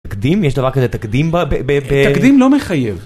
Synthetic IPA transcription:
kd̪imjeʃd̪ɐvaʁkazet̪akd̪imbabeebet̪akd̪imlo̞meχajev

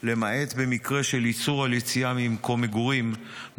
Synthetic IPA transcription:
le̞mae̞t̪be̞mikʁe̞ʃelit͡suʁaljet͡siamimko̞meɡuʁim

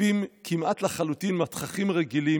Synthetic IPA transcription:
imkʰimʔat̪laχalut̪inmat̪χaχimʁeɡili

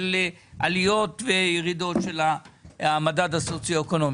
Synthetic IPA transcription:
l | ʔalijo̞tvejeʁido̞tʃe̞laamadadhasot͡sjoekono̞m

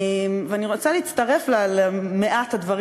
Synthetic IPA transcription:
mveaniʁo̞t͡saliːt͡st̪ɐʁe̞flalmeʔathadvɐʁ

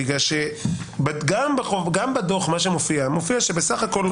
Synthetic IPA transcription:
iɡaʃebɡambaχoɡambad̪o̞χmaʃ̬emofiamofiaʃebesaχako̞l

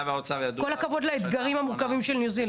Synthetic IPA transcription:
veaot͡savjad̪ko̞lakavo̞d̪laet̪ɡaʁimhamuʁkavimʃelnjuzil

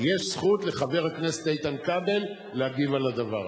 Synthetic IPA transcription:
jeʃsχutle̞χave̞ʁhakne̞setejt̪ankabe̞lː | ehaɡivalad̪ava̰ʁ

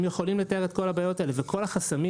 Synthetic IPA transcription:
mjeχo̞limlet̪ae̞ʁet̚ko̞labajo̞taelevekʰo̞laχasami

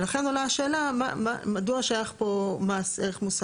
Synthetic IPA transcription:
laχenolaʃeːlama̰ma̰maduaʃeajaχpomaseʁeχmusa

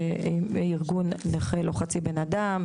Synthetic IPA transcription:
eiʁɡunːeχeloχat͡sibe̞nadam

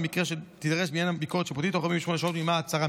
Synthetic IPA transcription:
mikʁeʃet̪id̪aʁeʃbinjanabikoett͡ʃʃepot̪it̪oamiveʃmoneʃao̞t̪mimaːt͡saʁa

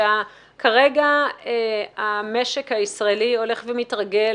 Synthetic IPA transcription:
a | kʰaʁe̞ɡa | ameʃe̞khaisʁaelio̞le̞χvemitʁaɡe̞

